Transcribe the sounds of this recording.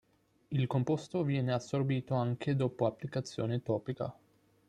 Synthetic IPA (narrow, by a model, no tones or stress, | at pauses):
ilkompost̪ovjɛːneasːorbiːt̪oaŋkʰed̪oːpoapːlikat̪sːjo̰ːnet̪ɔːpika̰